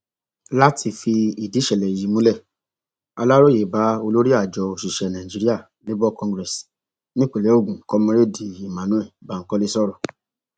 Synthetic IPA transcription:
la˦tʰi˧fi˧i˨di˨˦ʃɛ˨lɛ˨ji˨˦mũ˨˦lɛ˦˨ | a̰˧la˦ɾo˦je˨ba˨˦o˧lo˦ɾi˦a˦˨d͡ʒɔ˧o˨ʃi˨ʃɛ˨nã˨ĩ˨d͡ʒi˨˦ɾi˦a˦˨ | le˦bɔ˦kɔ̃˧ŋɡɾɛ˨s | nĩ˦k͡po˨le˨˦o˦˨ɡũ˨˦kɔ˦mɔ̃˦ɾe˦˨di˨i˨mã˨nũ˦ɛ˦˨ba˨˦ŋ̩˨˦kɔ˦le˦sɔ˦˨ɾɔ˨

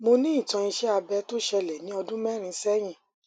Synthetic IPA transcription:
mo˧nĩ˦i˦˨tã˧i˧ʃɛ˦a˧bɛ˨˦to˦ʃɛ˧lɛ˨nĩ˨˦ɔ˧dũ˦mɛ˦˨ɾ̃ĩ˧sɛ˦j̃ĩ˦˨

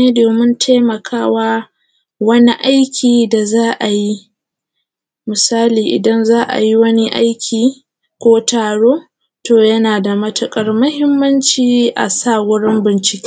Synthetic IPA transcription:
eː˦doː˨mʊ˦ntʰa˦mɐ˨kʰaː˦waː˦ | wɐ˦ni˦ʔa˦jkʲʰiː˨da˨zaː˦ʔa˨ji˦ | mʊ˨saː˦liː˨ʔɪ̰˨dɐ˦nzaː˦ʔa̰˨ji˦wɐ˦ni˦ʔa̰a˦jkʲʰiː˨ | kʷoː˦taː˨ɽoː˦ | toː˨jɐ˦naː˨da˨mɐ˦tʊ˨kʼɐ˦rmɐ˦hɪ˦mːɐ˦nt͡ʃiː˨ʔa̰˨saː˦˨ɡʷʊ˦ɽɪ˦mbɪ˨nt͡ʃɪ̥˦kʲe̥˦

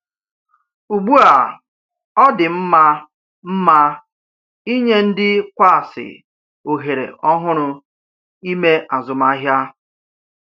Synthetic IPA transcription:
u˨ɡ͡bu˦a˨ | ɔ˦dɪ˨m̩˦ma˦ | m̩˦ma˦ | i˦ɲe˦n̩˦dɪ˦kʷa˦˨sɪ̰˨ | o˨ɦe˨ɾḛ˨ʔɔ˦ɦʊ˦ɾʊ˨ | i˦me˦ʔa˨zʊ˨ma˦ɦja˦

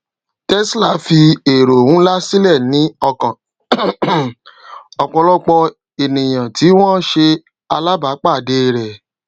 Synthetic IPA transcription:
tɛ˦sla˦˨fi˧e˨ɾo˨wũ˨˦la˦si˦lɛ˦˨nĩ˨˦ɔ˧k | ɔ˨k͡pɔ̃˧lɔ˦k͡pɔ˧ | e˨nĩ˨j̃ã˨ti˨˦w̃ɔ̃˦ʃe˧ | a˧la˦ba˨˦k͡pa˦˨de˦˨ɾɛ˨

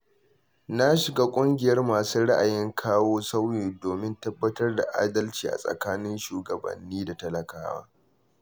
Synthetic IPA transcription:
na˦ʃɪ˨ɡaː˦kʷʼʊ˦ŋɡʲɪ˨jɐ˦rmaː˨suː˦ɽa˦ʔa˨jɪ˦ŋkʰaː˦woː˦sa˦wjiː˨doː˨mɪ˦ntɐ˦bːɐ˦tɐ˦rda˨ʔa̰ː˦dɐ˦lt͡ʃiː˨ʔa̰˨sʼɐ̰˨kaː˦nɪ˦nʃuː˨ɡɐ˨bɐ̰˨nːiː˦da˨tɐ˦lɐ˨ka̰ː˦wa̰ː˦

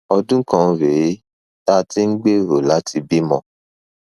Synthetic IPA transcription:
ɔ˧dũ˦kã˧ɾe˨˦ | ta˦ti˦n̩˦ɡ͡be˦ɾo˨la˨˦ti˧bi˦mɔ̰̃˧

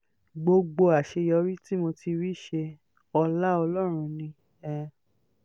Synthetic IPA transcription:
ɡ͡bo˧ɡ͡bo˧a˨ʃe˧jɔ˨˧˦ɾi˦ti˦mo˧ti˧ɾi˦˨ʃe˧ | ɔ˧la˦ɔ˧lɔ˦ɾ̃ũ˧nĩ˧ | ɛ˧

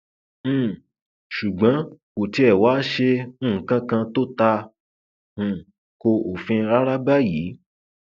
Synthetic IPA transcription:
ʃu˨ɡ͡bã˨˦ko˨ti˧˦ɛ˨wa˨˦ʃẽ˧˦˨kã˧kã˧to˦ta˧˨ | ko˧o˨fĩ˧ɾa˦ɾa˦ɡ͡ba˦ji˨˦

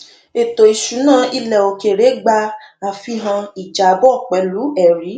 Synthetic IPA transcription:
e˨to˨i˨ʃu˨˦nãː˦˨i˧lɛ˨o˨ke˨ɾe˨˦ɡ͡ba˧a˧fi˧˦ɦã˧i˨d͡ʒa˨bɔ˦˨k͡pɛ˨˦lu˨˦ɛ˦˨ɾi˨˦

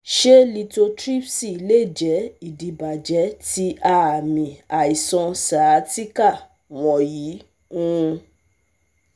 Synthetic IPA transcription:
ʃe˦li˧to˧tɾi˦psi˦i˨le˦˨d͡ʒɛ˨˦i˦˨di˨ba˨d͡ʒɛ˨˦ti˧ʔa˦˨mĩ˨a˨i˨sɔ̃˧sa˨˦ti˦ka˦˨ | w̃ɔ̃˨jiː˨˦ | ũ˦˧

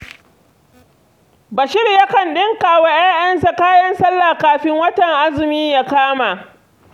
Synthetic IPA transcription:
bɐ˨ʃɪ˦rjɐ˦kɐ˨nɗɪ˦ŋkaː˨waː˦j̰aː˦j̰ɐ˦nsa˨kaː˦jɐ˦nsɐ˦lːaː˨kaː˨ɸɪ˦ŋwɐ˦tɐ˨ŋʔa˦zɪ˨miː˦ja˦kaː˦ma˨ʔ

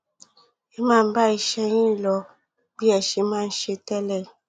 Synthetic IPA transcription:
e˦ma˦˨m˦ba˦˨i˦ʃɛ˦jĩ˦˨lɔ˨ | bi˦ɛ˨ʃe˦mã˦˨n̩˦ʃe˦tɛ˦lɛ˨

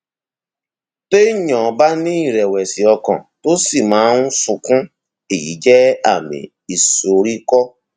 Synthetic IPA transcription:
te˦ɲɔ̃˨ba˦nĩ˦i˦˨ɾɛ˨wɛ˨si˨ɔ˧kɔ̰̃˨to˦si˦˨mãː˨˦ũ˦su˨kũ˦ | e˨jḭ˨˦d͡ʒɛ˦a˦˨mḭ̃˨ | i˨so˨ɾi˦kɔ˦

